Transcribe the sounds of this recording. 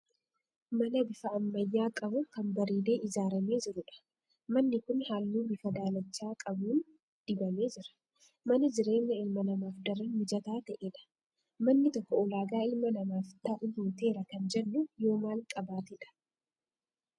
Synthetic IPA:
mɐnɐbɪfɐɐmːɐjːaːkʼɐbʊkɐnbɐɾiːle̞ːʔɪzaːɾɐme̞ːd͡ʒɪɾʊᶑɐ̥ | mɐnːɪkʊnhaːlːuːbɪfɐd̪aːlɐt͡ʃːaːkʼɐbuːn | d̪̥ɪbɐme̞ːd͡ʒɪɾɐ̥ | mɐnɐd͡ʒɪɾe̞ːɲːɐɪlmɐnɐmaːfd̪ɐrɐnmɪd͡ʒɐt̪aːt̪ɐʔeːᶑɐ̥ | mɐnːɪt̪ɔkːɔɔlaːɡaːɪlmɐnɐmaːft̪ɐʔʊjoːt̪e̞ːɾɐkɐnd͡ʒɛnːʊjo̞ːmaːlkʼɐbaːt̪ɪᶑɐ̥

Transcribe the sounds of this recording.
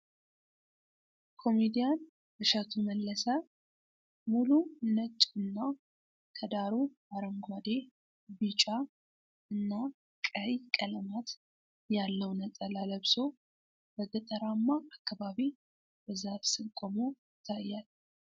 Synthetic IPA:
kʰo̞med̪ijan | bɨʃat̪ʰuməlːəsa | mulunət͡ʃʼːuɨnːa | kʰəd̪aɾubaɾəmɡʷad̪e̞ | bɨt͡ʃʼa | ɨnːa | kʼəjkʼələmat̪ | jalːəwnət̪ʼəlaləβso̞ | bəɡət̪ʼəɾamːaʔakːaβaβi | bəzafsɨŋkʼomo̞jɪt̪ʰːajːal

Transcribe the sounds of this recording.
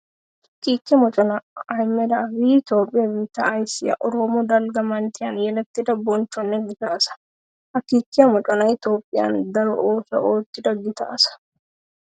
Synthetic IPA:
hɐkiːkːɛmɔt͡ʃʼɔnɐɐjmɛd̪ɐbiːt̪o̞ːpʼːɪjɐbiːt̪ːɐːjsɪjɐ̰ʔɔɾomod̪ɐlɡɐmɐnt̪ɪjɐnjɛlɐt̪ːɪd̪ɐbɔnt͡ʃːɔnːɛɡɪt̪asɐ̥ | hɐkːiːkːɪjɐmɔt͡ʃʼɔnɐɪt̪o̞ːpʼːɪja̰nd̪ɐɾɔʔoːsɐ̰ʔoːt̪ːɪd̪ɐɡɪt̪ɐ̰ʔsɐ̥

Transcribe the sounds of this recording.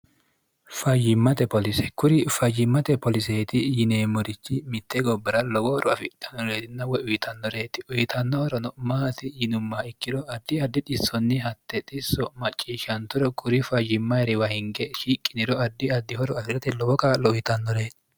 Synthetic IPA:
fɐjɪmːɐt̪ɛpɔlɪsɛ̥kʊɾɪfɐjɪmːɐt̪ɛpɔlɪseːt̪ɪjɪneːmɔɾɪt͡ʃːɪmɪt̪ːɛɡɔbːɐɾɐlɔbɔhɔɾɔɐfɪt̪ʼːɐnːɔɾeːt̪ɪnːɐwɔʊjɪt̪ʰɐnːɔɾe̞ːt̪ɪ̥ʊjɪt̪ɐnːɔhɔɾɔnɔmɐːɐt̪ɪjɪnʊmːaɪkːɪd̪ɔɐd̪ːɪɐd̪ːɪt̪ʼɪsːɔnːɪɦɐt̪ːɛt̪ʼɪsːɔmɐt͡ʃʼːiːʃɐnt̪ʊɾɔkʰʊɾɪfɐjɪmːɐjɾɪwɐhɪŋɡɛʃiːkʼːɪnɪɾɔɐd̪ːɪɐd̪ːɪhɔɾɔɐfɪɾɛt̪ɪlɔwɔkalɔʊjɪt̪ɐnːɔɾe̞ːt̪ɪ̥

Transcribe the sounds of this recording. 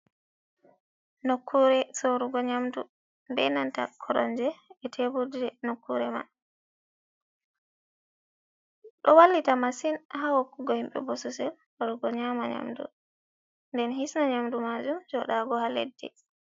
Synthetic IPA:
nokʰːuɾɛsoɾuɡɔɲamdu | mbɛ̰nanta̰kʰɔɾɔɲd͡ʒɛːtʰebudiɾɛnokːuɾɛma̰ | ɗɔwalːitamasinhawɔkːuɡɔhimɓɛ̰bɔsɔsɛl | ɔɾuɡɔɲaːmaɲa̰mdṵ | ndɛnhisnaɲamdumad͡ʒumd͡ʒɔɗaɡɔhalḛdːɛ̰

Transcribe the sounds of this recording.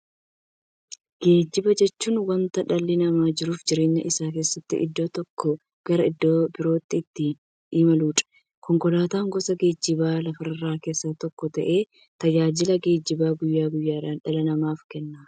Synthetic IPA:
ɡ̥e̞ːd͡ʒːɪbɐd͡ʒɛt͡ʃːuːnwɐnt̪ɐᶑɐlːɪnɐmaːd͡ʒɪɾuːfd͡ʒɪɾeːɲːɐ̰ʔɪsaːk̬e̞ːsːɐt̪ːɪ̰ʔɪ̰d̪ːo̞ːt̪ɔkːɔ | ɡ̥ɐɾɐɪd̪ːoːbɪɾo̞ːt̪ːɪːt̪ːɪ | iːmɐluːᶑɐ̥ | kɔŋkɔlaːt̪aːŋɡɔsɐɡe̞ːd͡ʒːɪbaːlɐfɐɾɐrːaːke̞ːsːaːt̪ɔkːɔt̪ɐʔe̞ː | t̪ɐd͡ʒaːd͡ʒɪlɐɡe̞ːd͡ʒːɪbaːɡʊjːaːɡʊjːaːɾaːnᶑɐlɐnɐmaːfkɛnːaː

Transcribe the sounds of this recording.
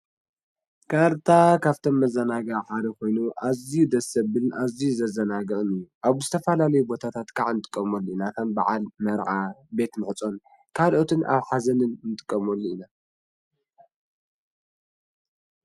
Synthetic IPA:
kʰaɾt̪ʰakʰaβt̪ʰo̞mːɐzɐnaɡɐħad̪ɐkʰo̞jnuʔazijud̪ɐsɐbɨlnʔazijuzɐzɐnaɡɐʔɨnɨjːuʔaβzɨt̪ʰɐfɐlalɐjubo̞t̪ʰat̪ʰat̪kʰʼaʕnɨt̪ʼɨ̥kʼːɐmolːuinakʰɐmba̰ʕalmɐɾʕabe̞t̪mɨħɨt͡sʼo̞n | kʰalʔo̞t̪ʰɨnʔa̰βħazɐnɨnnɨt̪ʼɨ̥kʼːɐmolːuina

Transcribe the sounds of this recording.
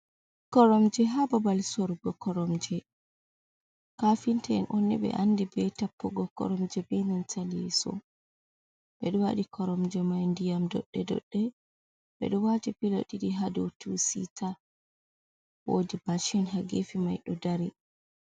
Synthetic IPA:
kɔɾɔmd͡ʒɛɦababalsɔɾɡɔkɔɾɔmd͡ʒɛ | kafintɛɛnʔɔnːɛbɛ̰ʔandibɛtapːɔɡɔkɔ̰ɾɔmd͡ʒɛbɛnantʰalɛsɔ̰ | ɓɛɗɔwaɗikʰɔɾɔmd͡ʒɛmajndijamdɔ̰ɗːɛdɔ̰ɗːɛ | ɓɛ̰ɗɔwad͡ʒipiloɗiɗiɦadɔtusḭtʰa | wo̰dib̥aʃɛnɦaɡefimajɗɔdaɾɛ

